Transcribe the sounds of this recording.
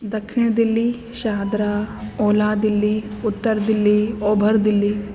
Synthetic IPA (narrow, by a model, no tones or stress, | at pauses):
d̪ɐkʰʂiɳɐd̪ilːi | ʃaːd̪ɾaoːlaːd̪ilːiut̪ːɐɾɐd̪ilːiɔːbʱɐɾd̪ilːi